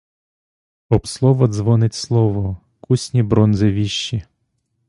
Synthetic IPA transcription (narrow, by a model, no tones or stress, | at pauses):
ɔbslˠɔʋɔd̪zʋɔnɪtʲslˠɔʋɔ | kʰusʲnʲibɾɔnzɪʋʲiʃːi